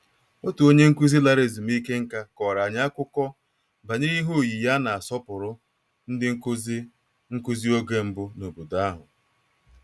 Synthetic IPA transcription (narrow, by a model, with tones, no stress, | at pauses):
o˦tu˨o˦ɲe˦ŋ̩˦ku˦zi˦la˦ɾe˨zi˨m̩˦i˦ke˦ŋ̩˦ka˦kɔ˨ɾa˨ɲ˦a˦kʷʊ˦kɔ˦ | ba˨ɲe˦ɾi˦ɦo˦˨ji˨ja˦na˨a˨sɔ˦pʊ˨ɾʊ˦ | n̩˦dɪ˦ | ŋ̩˦ku˦zi˦o˦ɡe˦m̩˦bʊ˦no˨bu˨da˦ɦʊ̰˨